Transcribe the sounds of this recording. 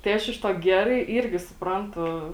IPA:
tɐɪ ˈɐʃ ɪʃ ˈtuɔ ˈɡʲæːrɐɪ ˈiːrʲɡʲɪ sʊpˈrɐntʊ

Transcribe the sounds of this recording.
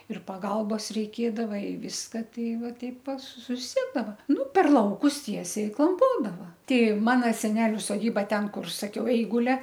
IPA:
ɪr pɐˈɡɐlˠboːs rʲɛɪˈkʲeːdɐʋɐ ɪ ˈʋʲɪskɐ ˈtʲɛɪ ˈʋɐ ˈtɐɪp pɐ sʊˈsʲiɛdɐʋɐ ˈnʊ pʲɛr ˈlˠɐʊkʊs ˈtʲiɛsʲɛɪ ɪ klˠɐmˈpoːdɐʋɐ ˈtʲɛɪ ˈmɑːnoː sʲɛˈnʲæːlʲʊ soːˈdʲiːbɐ ˈtʲɛn ˈkʊr sɐˈkʲɛʊ ˈɛɪɡʊlʲɛ

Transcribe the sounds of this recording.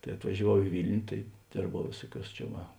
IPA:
tɐɪ ɐtʋɐʒʲɛˈʋɐʊ ɪ ˈʋʲɪlʲnʲʊ tɐɪ ˈdʲeːrbɐʊ ˈʋʲeːsuɔˌkʲuɔs t͡ʃʲɛ ˈʋɐ

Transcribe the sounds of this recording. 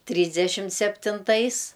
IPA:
ˈtʲrʲiːzʲdʲɛʃʲɪmt sʲɛpʲtʲɪnˈtɐɪs

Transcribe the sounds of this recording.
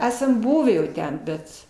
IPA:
ˈæːsɐm ˈbʊʋʲiː jɛʊ ˈtʲɛn ˈbʲɛt

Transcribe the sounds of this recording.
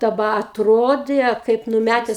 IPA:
dɐˈbɐ ɐtˈroːdʲeː kɐɪp nʊˈmʲætʲɛs

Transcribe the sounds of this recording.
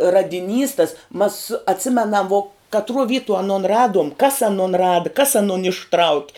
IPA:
rɐdʲɪˈnʲiːs tɐs mɐs ɐtʲˈsʲɪmʲɛnɐm ʋoː kɐtˈruɔ ˈʋʲiːtuɔ ɐˈnoːn ˈrɑːduɔm kɐs ɐˈnoːn ˈrɑːdɐ kɐs ɐˈnoːn ɪʃˈtrɐʊkʲɪ

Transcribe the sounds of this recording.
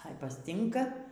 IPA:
ɐɪ pɐsʲˈtʲɪŋkɐ

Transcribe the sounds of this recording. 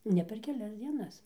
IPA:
ˈnʲɛ pʲɛr kʲɛˈlʲɛs d͡zʲiɛˈnɐs

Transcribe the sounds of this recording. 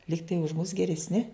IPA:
ˈlʲiːktɐɪ ʊʃ mʊs ɡʲɛrʲɛsʲˈnʲɪ

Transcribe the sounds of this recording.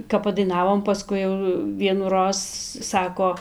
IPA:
kɐp pɐdɐɪˈnɑːʋoːm pɐˈskʊɪ jɛʊ ʋʲiɛnuːˈroːs ˈsɑːkoː

